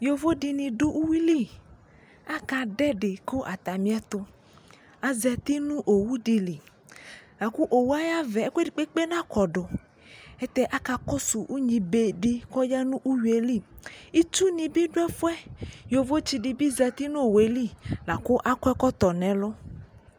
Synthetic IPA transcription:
jo˨vo˦di˨nĩ˨ɖo˦ʔu˦wi˦li˦˨ | a˦ka˨ɖɛ˦ɖe˨ko˦ʔa˨t̪a˨mĩ˦a˦t̪ʊ˦ | a˨zɛ˨t̪i˦nũ˦ʔo˨wu˦ɖi˨li˨ | la˨ku˦ʔo˨wu˦a˦ja˦vɛ˨˦ke˦di˨k͡pe˦k͡pe˦nã˦kɔ˨ɖo˨ | ɛ˦t̪ɛ˦ʔa˦ka˨kɔ˦su˨ʔu˦ɲĩ˨be˨ɖi˦kɔ˦ja˦nũ˦ʔu˦wi˨e˨˦li˦˨i˦t͡ʃu˦nĩ˨bi˦ɖʊ˦ɛ˦fʊ˦ɛ˦jo˨vo˦t͡ʃi˨ɖi˨bi˦zɛ˨t̪i˦nũ˦o˨we˨li˦la˨kʊ˦ʔa˦kɛ˦kɔ˦t̪ɔ˨nɛ̃˨lʊ˦

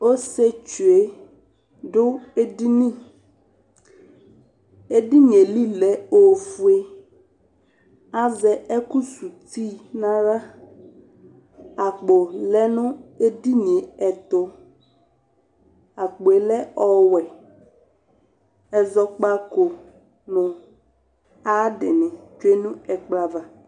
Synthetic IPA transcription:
o˦se˦t͡ʃu˨e˦ | ɖʊ˦e˦di˦nĩ˦ | e˦ɖi˦ɲẽ˨li˦lɛ˦o˨fu˦˨e˦ | a˦zɛ˨ɛ˦ku˦su˨t̪i˦nã˦ɾa˦ | a˨k͡po˨lɛ˦nʊ̃˦e˦di˦ɲe˨ɛ˨t̪ʊ˦ | a˨k͡po˨e˨lɛ˦ɔ˨wɛ˨ | ɛ˨zɔ˨k͡pa˦ko˨ | nʊ̃˨ | a˦dɪ˨nɪ̃˨t͡ʃe˦nũ˦ɛ˨k͡pla˨va˨

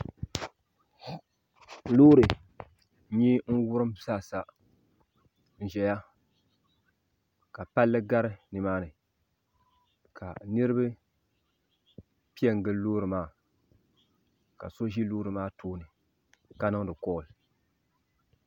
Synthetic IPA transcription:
loː˦ɾɨ˨˦ | ɲɛ˦n̩˦wʊ˦ɾɨ˦msa˦˨sa˦ | n̩˨ʒɛ˨ja˦ | ka˨pa˦lːɨ˦ɡa˦ɾɨ˦nɨ˨maː˦nɨ˨ | kʰa̰˨nɨ˦ɾɨ˦bɨ˦ | pi˦ɛ˦˨ŋ˨ɡɨ˦loː˦ɾɨ˨maː˦˨ | ka̰˨so˦ʒi˦loː˦ɾɨ˨maː˦toː˦nɨ˨ | ka˨˦nɨ˦ŋdɨ˨kɔ˦ʔlɨ˨

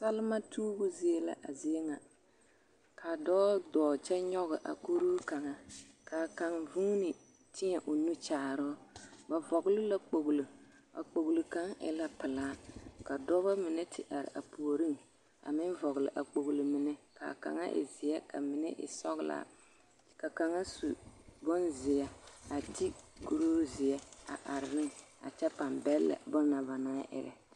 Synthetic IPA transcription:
sa˦lɪ˦ma˦tʰuː˦bʊ˦zi˦e˦la̰˨ʔa˨zɪ˨˦ɛ˦ŋa˨ | kʰa˨dɔː˦dɔː˨t͡ʃɛ˦ɲɔ˦ɣɪ˨ʔa̰˨ku˦ɾuː˦ka˨ŋa˦ | ka˨ka˨ŋvu˦nɪ˨ | tʰɪ˦ɲɛ˨ʔʊ˨nu˦t͡ʃaː˨ɾɔː˦ba˨vɔ˨ɣlɪ˦la˦k͡po˨ɣlɨ˨ | a̰˨k͡po˨ɣlɨ˨ka˦ŋɪ̰˦la˦pɪ˨laː˦ka˨dɔ˦ba˦mɪ˨nɛ˦tʰɪ˦ʔa˨ɾɪ̰˨ʔa˨pu˨o˨ɾi˦ŋ | a̰˨mɪ˦nvɔ˨ɣlɪ̰˨ʔa˨k͡po˨ɣli˨mɪ˨nɛ˦ka̰˨ka̰˨ŋa˦ʔɪ̰˨zɪ˨jɛ˦kʰa̰˨mɪ˦nɛ̰˦ʔɪ̰˨sɔ˦ɣla̰˨ | ka˨ka˨ŋa˦su˨bɔ˦nzɪ˨jɛ˦a˨ti˦ɡu˦ɾoː˦zɪ˨ɛ˦a̰˨ʔa˨ɾɪ˨nɪ˦ŋa̰˨t͡ʃɛ˦pa˨mbɛ˦lːa̰˨bɔ˦na˨va˨naː˦ʔɪ̰˦ɾɛ̰˨

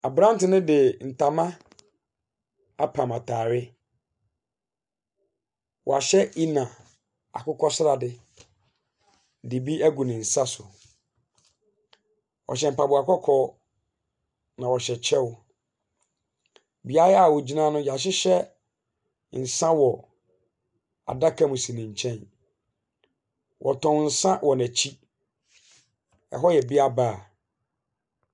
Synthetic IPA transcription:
a˨bɾã˦m˦tɪ˨nɪ̃˦dɪ˨n̩˨tʰa˨mã˦ | a˦pʰã˨mã˨tʰaː˨ɾɪ˦ | wʔɔ̰˨a˨ɕɛ˦i˦nã˨ | a̰˨kʊ˦kʰɔ˦sɾa˨dɪ˨ | dɪ˨bi˦æ˦ɡu˨nɪ̃˨n̩˨sa˦sʊ˨ | ɔ̰˨ɕɛ˨m̩˨pa˨bʊ˨a˨kɔ˦kʰɔ˦ | nã˨wɔ˨ɕɛ˨t͡ɕʰɛ˦w | bi˨a˦a˨wɔ˨d͡ʑi˦nã˦nʊ̃˦ja˨ɕ̬ɪ˦ɕɛ˦ | n̩˨sã˦wɔ˨ | a̰˨da˦kʰã˦mũ˨sĩ˨nĩ˨ɲ̩˨t͡ɕʰɛ̃˦n | wʔɔ˨tʰɔ̃˨n̩˨sã˦wʔɔ˨næ̃˨t͡ɕʰi˦ | ɛ̰˨ɦɔ˦jɛ˨bi˦a˦baː˦˨

